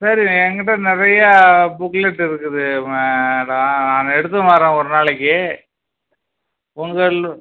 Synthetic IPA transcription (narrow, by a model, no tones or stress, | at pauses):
sɐɾiɛŋɡɪʈːɐnɪɾɐjɐbʊklɛʈːɪɾɯkːɯðɯmɽɐnaːnɛɽɯt̪̬ːɐmaːɾẽːɔɾɯnaːɭɛkːɯ | ʊŋɡɐɭ